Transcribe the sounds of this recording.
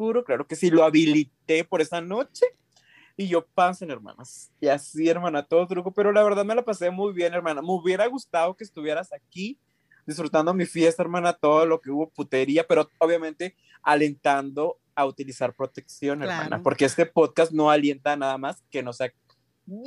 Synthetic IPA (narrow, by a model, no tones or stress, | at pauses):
uɾoklaɾoke̞siloaβilit̪e̞poɾe̞sano̞t͡ʃe̞ | iʝo̞pansoeneɾmã̰nas | iasie̞ɾmãnat̪oðot̪ɾukope̞ɾo̞laβe̞ɾðaðme̞lapase̞mujβje̞ne̞ɾmãnameuβjeɾaɣust̪aðo̞keːst̪uβje̞ɾasaki | d̪isfɾut̪and̪omifje̞st̪aeɾmãnat̪o̞ðolo̞ke̞uβo̞put̪e̞ɾiape̞ɾooβjamẽ̞nt̪e̞ | ale̞nt̪and̪o̞ | aut̪ilisaɾpɾo̞t̪e̞ksjo̞neɾmã̰na̰po̞ɾkeest̪e̞po̞ðkast̪no̞alje̞nt̪anaðamaske̞no̞sea